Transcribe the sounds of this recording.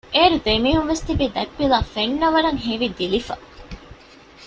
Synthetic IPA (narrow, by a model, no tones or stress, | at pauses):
ʔeːɾud̪emiːɦunʋest̪ibiːd̪ɐkʋilaːfenːɐʋɐɾɐŋɦeʋid̪ilifɐ